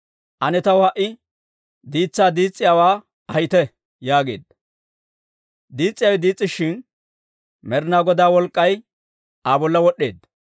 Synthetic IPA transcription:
ʔɐnɛt̪ɐwʊhɐʔɪ | d̪iːt͡sːaːd̪iːt͡sʼːɪjaːwaː | ɐjɪt̪ɛ | jaːɡe̞̰ːd̪̚ | d̪iːt͡sʼːɪjawɛd̪iːt͡sʼːɪʃːɪn | mɛɾɪnaːɡɔd̪aːwɔlkʼːɐj | aːbɔlːɐwɔɗe̞ːd̪

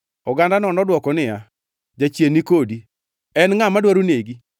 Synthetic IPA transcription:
ɔɡandanɔnɔdwɔkɔnɪa | d͡ʒat͡ʃjenikodi | ɛnŋamadwaɾuneɡi

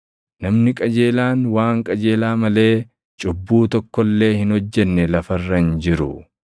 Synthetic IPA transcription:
nɐmnɪkʼɐd͡ʒeːlaːnwaːŋkʼɐd͡ʒeːlaːmɐle̞ː | t͡ʃʼʊbːuːt̪ɔkːɔlːe̞ːhɪnhɔd͡ʒːɛnːɛlɐfɐrːɐnd͡ʒɪɾʊ̰

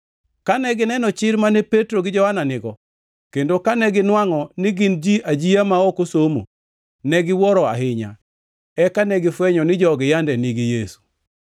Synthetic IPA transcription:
kanɛɡɪnɛnɔt͡ʃɪɾmanepetɾoɡɪd͡ʒɔhananɪɡɔ | kendokanɛɡɪnwaŋɔnɪɡɪnd͡ʒiʔad͡ʒiamaɔkosomo̰ | nɛɡɪwɔɾɔa̰ɦɪɲa̰ | ɛkanɛɡɪfwɛɲɔnɪd͡ʒɔɡɪjandɛniɡijesu̥

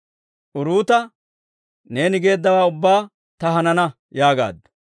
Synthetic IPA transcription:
ʔʊɾuːt̪ɐ | ne̞ːnɪɡe̞ːd̪ːɐwaːʊbːaː | t̪ɐɦɐnɐnɐ | jaːɡa̰ːd̪ːɔ̥

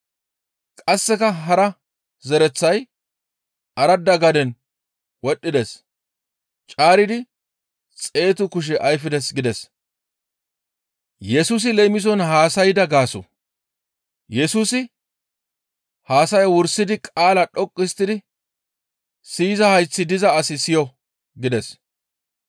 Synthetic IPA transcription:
kʼɐsːɛkɐɦɐɾɐ | zɛɾɛt͡sːɐj | ɐɾɐd̪ːɐɡɐd̪ɛn | wɔɗːɪd̪ɛs | t͡ʃʼaːɾɪd̪ɪ | t͡sʼe̞ːt̪ʊkʊʃ̬ɛʔɐjfɪd̪ɛsɡɪd̪ɛs | jɛsuːs̬ɪlɛmɪs̬ɔnɦaːsɐjɪd̪ɐɡaːsʊ̰ | jɛsuːsɪ | haːsɐjwʊɾsːɪd̪ɪkʼaːlɐɗɔkʼːɪst̪ːɪd̪ɪ | siːzɐhɐjt͡sːɪd̪ɪzɐːsɪsɪjɔ | ɡɪd̪ɛs

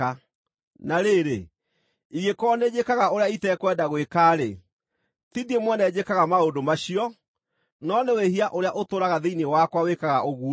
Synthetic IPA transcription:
a | naɾeɾe | iɣekɔned͡ʑekaɣaoɾeaitɛkwɛdaɣwekaːɾḛ | tidiemwɔnɛd͡ʑekaɣamaodomaɕiɔ | nɔneweɦiaʔoɾeaʔotoɾaɣaðeinewakwawekaɣaʔoɣu

